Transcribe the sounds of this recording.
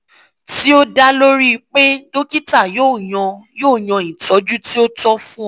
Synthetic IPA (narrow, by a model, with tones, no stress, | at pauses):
ti˦o˦da˦lo˦ɾi˦˧k͡pe˦do˦ki˦ta˦˨jo˦˨j̃ã˧jo˦˨j̃ɔ̃˧ĩ˨tɔ˨˦d͡ʒu˦ti˦o˦tɔ˦fũ˦˨